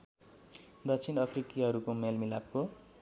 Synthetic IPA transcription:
d̪ʌkt͡sʰinʌpʰrikiɦʌɾukomelmilapko

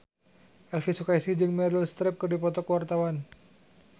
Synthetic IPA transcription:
ʔɛlfisukaisihd͡ʒɨŋmɛɾilst̪ɾɪp̚kɨrdipɔt̪ɔkəwart̪awan

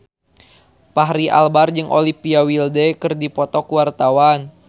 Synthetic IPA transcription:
paɦɾiʔa̰lbard͡ʒɨŋʔo̰lipiawildɛkɨrdipɔt̪ɔkuwart̪awan

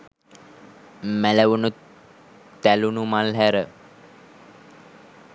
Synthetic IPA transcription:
mæləʋunu | t̪ælunumalɦæɾə

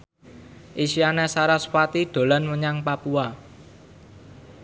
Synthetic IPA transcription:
ʔiʃianesaɾaspat̪id̪̥o̤lanməɲaŋpapua

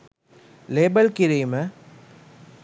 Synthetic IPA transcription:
leːbɐlkɪɾimɐ

